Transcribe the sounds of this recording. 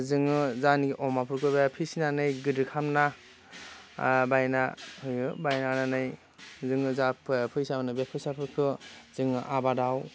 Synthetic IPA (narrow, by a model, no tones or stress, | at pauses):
zɯŋɯzaniɡiʔɔmapʰɯɾkʰɯbeapʰisinanɯjɡɯdɯkʰamna | bajnahɯjɯbajnananɯj | zɯŋɯzapʰpʰɯjsaɯnɯbepʰɯjsapʰɯɾkʰɯz̥ɯŋɯʔabadaw